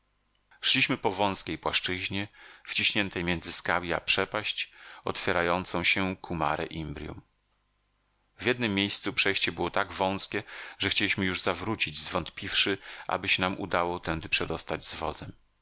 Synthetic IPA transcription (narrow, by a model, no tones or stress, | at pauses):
ʂlʲiɕmɘpɔvɔ̃w̃skʲejpwaʂt͡ʂɘʑɲɛft͡ɕiɕɲɛnt̪ɛjmʲjɛndzɘskawʲia̰pʂɛpaɕt͡ɕɔ̰t̪fʲjɛɾajɔnt̪sɔ̃w̃ɕɛkʰuma̰ɾɛ̰ʔimbɾʲjṵm | vʲjɛd̪nɘmʲːjejst̪supʂɛjɕt͡ɕɛbɘwɔt̪aɡvɔ̃w̃skʲɛʐɛxt͡ɕelʲiɕmɘjuʐzavɾut͡ɕid͡ʑzvɔnt̪pʲifʂɘʔa̰bɘɕɛnamʔṵd̪awɔt̪ɛnd̪ɘpʂɛd̪ɔst̪ad͡ʑzvɔ̰zɛm